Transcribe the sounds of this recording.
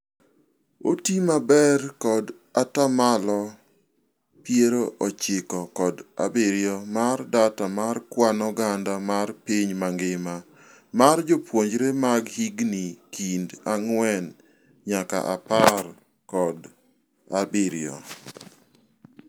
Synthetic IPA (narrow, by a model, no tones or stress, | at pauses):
otimabɛrkɔd | atamalɔ | pjeɾoʔɔt͡ʃɪkɔkɔda̰bɪɾjɔmardatamarkwanɔɡandamarpiɲmaŋɡɪma | mard͡ʒopwoɲd͡ʒɾemaɡhiɡnikindaŋwɛn | ɲaka̰ʔa̰par | kɔd | abɪɾj̰ɔ̰